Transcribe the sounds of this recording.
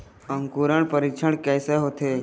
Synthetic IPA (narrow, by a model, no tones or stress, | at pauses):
əŋkuɾəɳ̃pəɾit͡ʃʰəɳkɛːseɦot̪ʰe